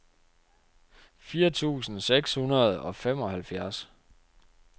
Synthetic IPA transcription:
fiːɐt͡sʰṵːsn̩seɡ̥shunɐð̞̩ˠɒ̽fem̰ɒ̽hælfjæɐs

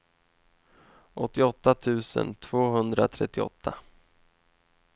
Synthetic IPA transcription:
ʔɔt̪ːɪɔt̪ːat̪ʰʉ̟ːsə̰nt̪ʰv̥oːɦɵnd̪ɾat̪ʰɾɛt̪ːɪɔ̰t̪ʰːa

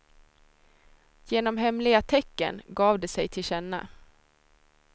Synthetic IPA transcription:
jeːnɔmɦɛmlɪɡat̪ʰɛkːə̰nɡɑːvd̪ɛsɛjt̪ʰɪlɕɛnːa̰

